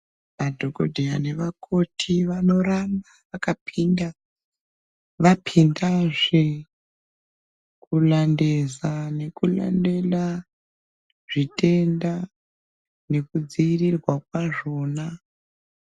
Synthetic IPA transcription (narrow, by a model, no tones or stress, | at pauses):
ʋadʱoɡodʱeane̞ʋakʰo̞tʰiʋano̞ɾanaʋakapʰinda | ʋapʰindaʐe | kulande̞zane̞kula̰nde̞la | ʐ̥itʼe̞nda | ne̞kud͡ziːrirwak̚waʐo̞ːna